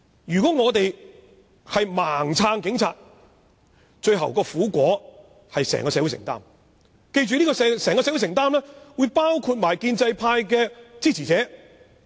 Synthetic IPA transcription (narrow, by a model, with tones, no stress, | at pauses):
jyː˨˩kɔː˨˥ŋɔː˨˧t̪e˨j | hɐ˨jmaː˨˩ŋt͡sʰaː˧ŋkɪ˨˥ŋt͡sʰa̰ː˨t̚ | t͡ʃɵ˧ɥɦɐ̰˨˩wkɔː˧fuː˨˥kʷɔː˨˥ | hɐ˨jsɛ̰ː˨˩ŋkɔː˧sɛː˨˧˥wu˧˥sɪ̰˨˩ŋt̪a̰ː˥m | ke˧jt͡ʃyː˨niː˥kɔː˧sɛ˨˧sɛː˨˩ŋkɔː˧sɛ˧˥wu˥sɪ˨˩ŋt̪aː˥mlɛː˥wuː˨˧jpaː˥wkʰuː˧t̚maː˨˩jkiː˧nt͡sɐ˧jpʰaː˧jk̬ɛː˧t͡siː˥˩t͡sʰiː˨˩t͡sɛː˨˥